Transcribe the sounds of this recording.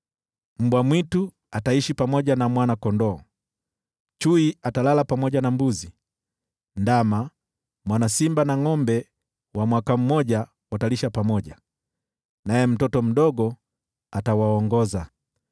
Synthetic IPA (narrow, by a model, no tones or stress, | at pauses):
m̩bwamwitu | ataiʃipamɔɟanamwanakɔndɔ | t͡ʃuiatalalapamɔɟanambuzi | ndama | mwanasimbanaŋɔmbɛ | wamwakam̩mɔɟa | wataliʃapamɔɟa | najɛm̩tɔtɔm̩dɔɡɔ | atawaɔŋɡɔza